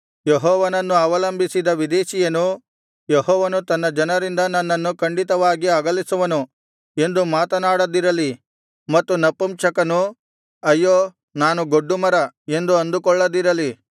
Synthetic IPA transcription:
jeɦɔːʋɐnɐnːuɐʋɐlɐmbisid̪ɐʋid̪ɛːʃijɐnu | jeɦɔːʋɐnut̪ɐnːɐd͡ʒɐnɐɾind̪ɐnːɐnːɐnːukɐɳɖit̪ɐʋaːɡiɐɡɐlisuʋɐnu | e̞nd̪umaːt̪ɐnaːɽɐd̪iɾɐli | mɐt̪ːunɐpːumt͡ʃɐkɐnu | ɐjːoː | naːnuɡo̞ɖːumɐɾɐe̞nd̪uɐnd̪ukɔɭːɐd̪iɾɐli

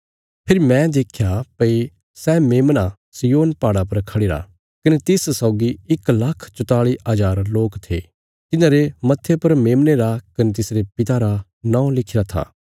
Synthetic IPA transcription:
pʰɪɾmɛ̃d̪eːkʰjapɐi | sɛːmeːmna | sijoːnpaːɽapɐɾkʰɐɽeːɾa̰ | kɐnet̪ɪssɐːɡiɪklɐkʰt͡ʃʊt̪aːɭiɐd͡ʒaːɾloːkt̪ʰḛ | t̪ɪnãːɾemɐt̪ʰːepɐɾmeːmneɾakɐnet̪̬ɪsɾepɪt̪aɾa | nãːõlɪkʰɪɾat̪ʰa̰ː

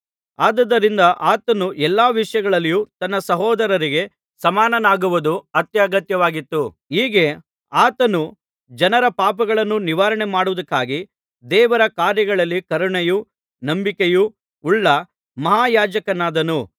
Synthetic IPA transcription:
aːd̪ɐd̪ːɐɾind̪ɐʔaːt̪ɐnuʔɛlːaːʋiʂɐjɐɡɐɭɐlːijut̪ɐnːɐsɐɦɔːd̪ɐɾɐɾiɡe̞ | sɐmaːnɐnaːɡuʋud̪uɐt̪jaːɡɐt̪jɐʋaːɡit̪ːu | ɦiːɡe | aːt̪ɐnu | d͡ʒɐnɐɾɐpaːpɐɡɐɭɐnːuniʋaːɾɐɳemaːɽuʋɐd̪ɐkːaːɡi | d̪ɛːʋɐɾɐkaːɾjɐɡɐɭɐlːikɐɾuɳeju | nɐmbikeju | uɭːɐ | mɐɦaːjaːd͡ʒɐkɐnaːd̪ɐnu

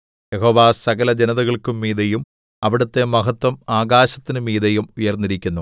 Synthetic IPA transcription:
jeɦo̞ːʋaːsɐɣɐlɐd͡ʑenɐðɐɣɐɭkumːiːðɐjum | ɐʋiɽɐt̪ːe̞mɐɦɐt̪wɐmaːɣaːɕɐt̪ːinɨmiːðɐjumujɐrnːiɾikʲːunːu

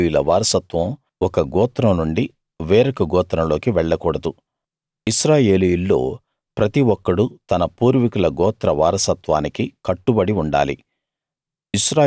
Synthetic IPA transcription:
julɐʋaːɾɐsɐt̪ʋɐm | ɔkɐɡɔːt̪ɾɐmnuɳɖi | ʋeːɾɐkɐɡɔːt̪ɾɐmlo̞ːkiʋɛɭːɐkuːɽɐd̪u | iʃɾaːje̞ːlijulːo̞̰ː | pɾɐt̪iʋɔkːɐɽut̪ɐnɐpuːɾʋikulɐɡɔːt̪ɾɐʋaːɾɐsɐt̪ʋaːnikikɐʈːubɐɽiuɳɖa̰ːlḭ | iʃɾaː

